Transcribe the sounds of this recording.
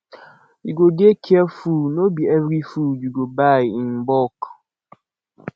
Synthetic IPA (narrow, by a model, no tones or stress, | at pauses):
juɡodekʰɛəfunobiɛvɾifudjuɡobajĩnbɔk